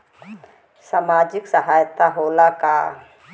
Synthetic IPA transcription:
samad͡ʒiksaɦajt̪aɦolaka

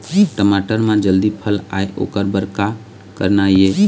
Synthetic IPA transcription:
ʈəmaːʈəɾmãd͡ʒəld̪ipʰəla̰ːeʔo̰ːkəɾbəɾka | kə̰ɾnaieː

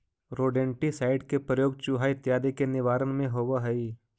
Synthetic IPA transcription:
ɾoːɖẽːɳʈisaːɪɖkepɾəjoːɡ̚t͡ʃuɦaːit̪jaːd̪ekenɪʋaːɾənmẽɦoːʋaɦɐi

